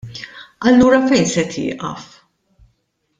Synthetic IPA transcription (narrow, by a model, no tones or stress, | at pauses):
ʔɐlːuːɾɐfɛjnsɛt̪ʰɪ̰ːʔɐ̰f